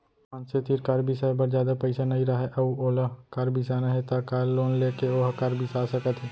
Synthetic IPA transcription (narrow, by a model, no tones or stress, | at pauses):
pãːnset̪iːɾkɐɾbʱisabɐɾd͡ʒjaːd̪apɐɪsanɐɦĩɾɐɦeʔɐuoːlakɐɾbʱisanɐɦet̪akaːlːoːnleːkeoːɦkɐɾbʱisaːsɐkət̪ɦi